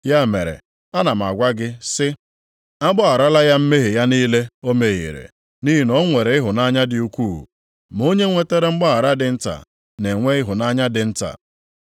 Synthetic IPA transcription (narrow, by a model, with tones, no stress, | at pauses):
ja˦me˨ɾḛ˨ | a˦na˨m̩˨a̰˨ɡʷa˦ɡɪ˦sɪ˦ | a˦ɡ͡bɔ˦a˨ɾa˦la˦ja˦m̩˦me˦ɦi˨ja˦niː˦le˦o˦me˨ɣḭ˨ɾḛ˨ | ni˦ɦi˨nɔ˦ŋʷe˨ɾe˨ɪ˦ɦʊ˨na˦ɲa˦dɪ˨u˦kʷu˦˨ṵ˨ | m˨o˦ɲe˦ŋʷe˦te˦ɾe˨ŋ͡m̩˦ɡ͡bɔ˦a˨ɾa˦dɪ˨n̩˦ta̰˨ | ne˨ŋʷe˦ɪ˦ɦʊ˨na˦ɲa˦dɪ˨n̩˦ta̰˨